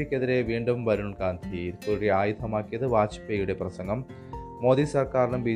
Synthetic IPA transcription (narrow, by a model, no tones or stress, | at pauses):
ikʲːeðiɾe̞ʋiːɳɖumʋɐɾuɳkaːnd̪ʰʱiːɾkuɾuɽeaːjud̪ʱʰɐmaːkːijɐðɨʋaːt͡ɕi̥pːeːjuɽe̞prɐsɐŋɡɐmː | o̞ːd̪isɐrkaːɾɐɳumbiː